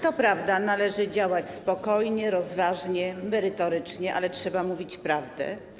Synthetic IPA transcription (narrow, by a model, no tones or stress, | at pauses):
t̪ɔpɾavd̪analɛʐɘd͡ʑawat͡ɕspɔkɔjɲɛɾɔzvaʐɲɛmɛɾɘt̪ɔɾɘt͡ʂɲɛʔa̰lɛtʂɛbamuvʲit͡ɕpɾavd̪ɛ̰